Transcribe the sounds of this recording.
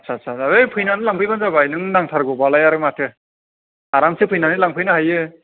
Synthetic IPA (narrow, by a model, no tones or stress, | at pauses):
asʰasʰaaejpʰɯjnanɯlaŋpʰɯjbanzabajnɯŋnaŋtʰaɾɡɔbalajaɾɯmatʰɯ | aɾamsɯpʰɯjnanɯlaŋpʰɯjnɯhajɯ